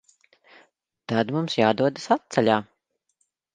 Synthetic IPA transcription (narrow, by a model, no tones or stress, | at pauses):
t̪ad̪mumsjaːd̪uɔd̪asat̪̚t̪sɛlʲaː